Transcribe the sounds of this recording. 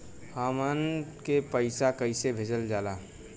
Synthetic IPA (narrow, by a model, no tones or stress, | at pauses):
haːmankepəɪsakɐɪsebʱed͡ʒəld͡ʒaːlaː